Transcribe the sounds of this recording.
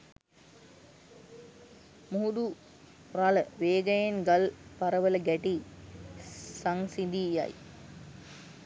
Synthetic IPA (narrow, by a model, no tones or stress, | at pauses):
muɖ̪u | raləʋeːɡəjenɡalpaɾəʋələɡæʈi | saŋsid̪ija̰j